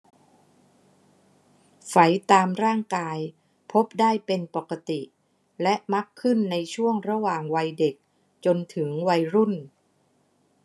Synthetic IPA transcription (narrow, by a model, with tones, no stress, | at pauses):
fa˩˦jt̪aː˧mɾaː˥˩ŋkaː˧j | pʰo˦˥p̚daː˥˩jpe˧npa˨˩ka˧t̪i˨˩ʔ | lɛ˦˥ʔma˦˥kʰːɯ˥˩nːa˧jt͡ɕʰu˥˩əŋɾa˧˥waː˨˩ŋwa˧jde˨˩k̚ | t͡ɕo˧nt̪ʰɯ˩˦ŋwa˧jɾu˥˩n